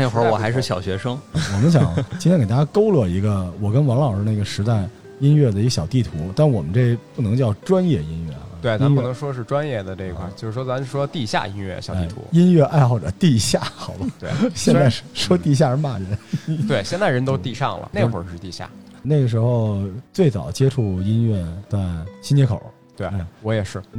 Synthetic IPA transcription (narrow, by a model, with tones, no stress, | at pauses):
ne˥˩ɪxwə˧˥wwɔ˨˩xa˧˥ɪʂɻ̩˥˩ɕjɑ˨˩ʊɕɥɛ˧˥ʂɤ˥ŋ˧˩wɔ˨˩mə˦nɕjɑ˧˥ŋʰ˧˥ke˨˩t̪a˥˩ja˥ko˥ʊlɤ˥˩i˧˥ɡə˧wɔ˨˩kə˥nwɑ˧˥ŋlɑ˨˩ə˦na˥˩ɡə˩ʂɻ̩˧˥t̪a˥˩ɪ | i˥nɥɛ˥˩d̪ə˩i˧ɡə˧˩ɕjɑ˨˩ʊt̪i˥˩t̪ʰu˧˥t̪a˥˩nwɔ˨˩mə˦nʈ͡ʂe˥˧˩pu˥˩nɤ˧˥ŋt͡ɕjɑ˥˩ʊʈ͡ʂwa˥njɛ˥˩i˥nɥɛ˥˩˧we˥˩ɪt͡sa˥mpu˧˩nɤ˧˥ŋʂwɔ˥ʂɻ̩˥˩ʈ͡ʂwa˥njɛ˥˩d̪ə˩ʈ͡ʂe˥˩i˧kʰa˥˩t͡ɕo˥˧ʂɻ̩˧˥˩wɔ˥t͡sa˧˥n˥˩ʂwɔ˥t̪i˥˧ɕja̰˥˩i˥nɥɛ̰˥˩ɕjei˥˩ɪ˩t̪ʰṵ˧˥i˥nɥɛ˥˧ʔa˥˧ɪxɑ˥˩ʊʈ͡ʂə˩t̪i˥˧ɕja˥˩xɑ˨˩ʊbɐ˧t̪we˥˧˩ɕjɛ˥˧na˥˧˩ʂwɔ˥t̪i˥˧ɕ̬ja˥˧˥ma̰˥˩ɻə˧˥t̪we˥˩ɕjɛ˥˧nt͡sa˥˩ɪɻə˧˥nt̪o˥ʊt̪i˥˧ʂɑ̰˥˩ŋlə̰˩ne˥˩ɪxwə̰˞˨˩˥ʂɻ̩˥˧t̪i˥˧˩ɕja̰˥˩˥na˥˩ɪɡə˩ʂ̬ɻ̩˧˥xo˥˧ʊt͡swe˥˩ɪt͡sɑ̰˨˩ʊt͡ɕjɛ˥ʈ͡ʂʰu˥˩i˥nɥɛ˥˩t̪wa˥˩nɕi˥nt͡ɕjɛ˧˥kʰo˨˩˦ | t̪we˥˩ɪa˥˩ɪwɔ˧˥jɛ˨˩ʂɻ̩˥˩